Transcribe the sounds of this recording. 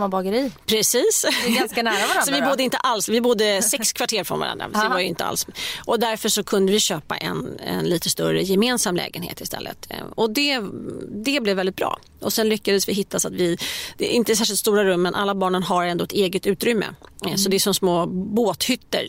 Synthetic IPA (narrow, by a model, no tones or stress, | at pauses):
mabɑɡəɾipʰɾɛsiːsɡanskanæːɾaaɾasɔɾvɪbʊd̪ːəɪnt̪əʔalsvɪbʊd̪ːəsɛkkskʰvaʈʰeːɾfɾɔ̰nva̰ɾa̰nɾa̰d̪ɛvaɾjʏɪnt̪əa̰lsʔɔd̪æɾfœʂɔkʰɵnd̪əvɪɕøːpa̰ʔɛ̰nɛ̰nliːt̪əst̪œɾəjɛmeːnsamːlɛ̰ːɡənhḛːt̪ɪst̪ʰɛ̰lːə̰t̪ɔd̪ɛ | d̪ɛblɛvːɛld̪ɪt̪̚bɾɑ̰ː | ʔɔsɛnlʏkːad̪əsvɪɦɪt̪ːasat̪vɪd̪ɛʔɪnt̪əsæːɾʂɪlt̪st̪uːɾaɾɵmːɛnʔa̰lːabɑːɳənɦaɾɛnd̪oːɛt̪eːɡət̪ʉ̟ːt̪ɾʏmːə̰sɔd̪ɛːʂɔmsmoːboːt̪hʏt̪ːə̰ɾ